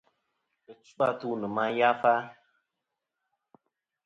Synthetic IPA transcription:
ɨ˨t͡ʃu˦ba˦tu˦nɨ˨ma˦ja˦fa˦

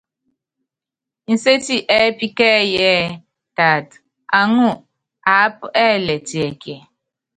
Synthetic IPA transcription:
n̩˨se˦ti˦ʔɛ˦pi˦kɛ˦jɛ˦ | ta˨t | a˨ŋu˦˨ | a˨˦pɛ˦˨lɛ˨ti˨ɛ˨ke˨

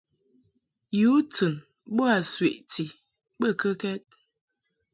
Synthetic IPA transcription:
ju˨˦tɨ˨n | ɓo˦a˨swe˨ʔti˨ | bə˦˨kə˦kɛ˦t̚

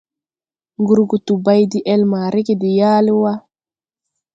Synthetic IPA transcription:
ŋɡu˦ɾɡu˨t̪u˨ba˦jdi˦ʔɛ˦lma˨ɾi˦ki˨di˨jaː˦li˦wa˦

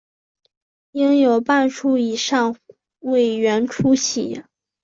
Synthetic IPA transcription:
i˥ŋjo˨˩ʊpa˥˧nʈ͡ʂʰu˥i˨˩ʂɑ˥˩ŋ | we˥˩ɪɥɛ˧˥nʈ͡ʂʰu˥ɕi˧˥˦

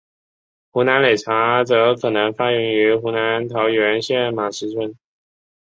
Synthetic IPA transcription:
xu˧˥na˧˥nle˨˩ɪʈ͡ʂʰa˧˥t͡sɤ˧˥kʰɤ˨˩nɤ˧˥ŋfa˥ɥy˧˥ŋy˧˥xu˧˥na˧˥nt̪ʰɑ˧˥ʊɥɥɛ˧˥nɕjɛ˥˩nma˨˩ʂɻ̩˧˥ʈ͡ʂʰwə˧˥n

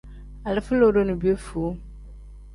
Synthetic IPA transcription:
a˨lɪ˦fɨ˦lo˦do˦nu˨bi˦o˦fu˨˦

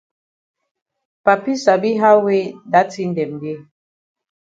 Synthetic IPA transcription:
pa˨pi˦sa˨bi˦ɦa˦we˦da˨˦ti˦n̩˦dɛ˨m˨be˦

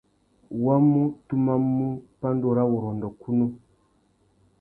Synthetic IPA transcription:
wa˦mu˦tu˦ma˦mu˦pa˦ndɔ˨ɾa˦wɔ˨ɾɔ˨ndɔ˨ku˦nɔ˦

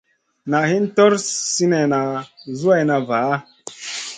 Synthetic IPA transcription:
na˨hi˦ntɔ˦ɾsi˦ne˨na˨zu˦a˨jna˨va˨˦

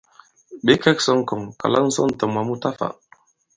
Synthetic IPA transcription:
ɓe˦kɛ˦ksɔ˦ŋkɔ˨ŋka̰˨la˦ŋn̩˦sɔ̰˦n˨tə˨mwa˨mu˦ta˦fa̰˨

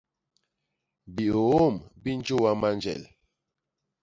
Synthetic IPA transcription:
bi˨o˨o˦˨mbi˦n˦d͡ʒo˦wa˦ma˦nd͡ʒɛ̰˨l

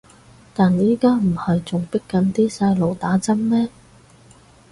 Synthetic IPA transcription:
t̪aː˨njiː˥kaː˥m̩˨˩hɐ˨jt͡sʊ˨ŋpɪ˥kːɐ˨˥nt̪iː˥saː˧jlo˨wt̪aː˨˥t͡sɐ˥mmɛː˥

